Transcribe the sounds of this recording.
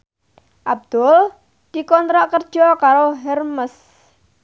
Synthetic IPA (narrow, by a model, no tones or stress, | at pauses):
ʔab̚d̪̥ʊl | d̪̥ikɔnt̪ɾaʔkərd̥ʒ̥ɔkaɾoɦɛrməs